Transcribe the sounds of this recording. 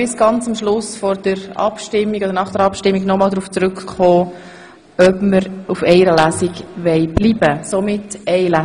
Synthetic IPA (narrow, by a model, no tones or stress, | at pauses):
ɪsɡ̥ɑnt͡sʊmʃlʊsfɔɾd̥əɾɑ̰pʃtɪmːiɡodəɾnɑχd̥əɾɑpʃtɪmːiɡnɔmɑːlˠd̪ɾuːft͡sɾʉkχɔː | œbməɾufɛɪɾəlæsiɡʋɛɪb̥liːbəsomɪtɛɪlæ